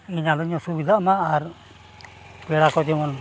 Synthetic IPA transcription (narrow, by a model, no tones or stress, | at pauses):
iɲalɔɲɔsubid̪ʱamaːɾ | bɛɽakɔd͡ʒ̪ɛmɔn